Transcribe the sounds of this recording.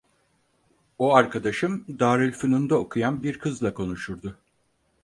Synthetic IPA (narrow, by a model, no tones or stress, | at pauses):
oaɾkʰad̪aʃɯmd̪aːɾɯlʲfɯnund̪ao̞kʰujanbiɾkʰɯzlˠakʰo̞nuʃuɾd̪ʊ